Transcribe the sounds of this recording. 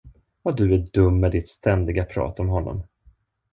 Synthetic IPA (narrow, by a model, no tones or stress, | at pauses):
vad̪ɵæɖɵmːɛd̪ɪt̪st̪ʰɛnd̪ɪɡapʰɾɑ̰ːt̪ɔmɦɔnːɔ̰m